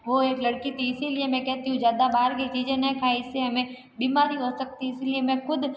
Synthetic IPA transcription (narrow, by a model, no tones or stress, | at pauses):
ʋoeːklɐɽkit̪ʰiɪsiliemɛ̃kɛɦt̪iɦũd͡ʒjaːd̪abaːɾkit͡ʃiːd͡ʒẽnɐɦĩkʰaːeɪsːeɦɐmẽ | biːmaːɾiɦosɐk̚t̪iɪsiliemɛ̃xʊd̪ʱ